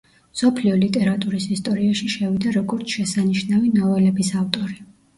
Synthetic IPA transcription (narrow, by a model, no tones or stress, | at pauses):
sɔpʰliɔlit̪ʼɛɾat̪ʼuɾisist̪ʼɔɾiaʃiʃɛvid̪aɾɔɡɔɾt̪sʰʃɛsaniʃnavinɔvɛlɛbisavt̪ʼɔɾi